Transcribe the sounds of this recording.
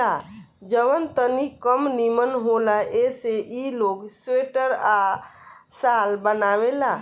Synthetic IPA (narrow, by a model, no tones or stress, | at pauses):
a | d͡ʒəʋənt̪ənikəmnimənɦolaʔeseʔiloɡseʈəɾa | salbənawela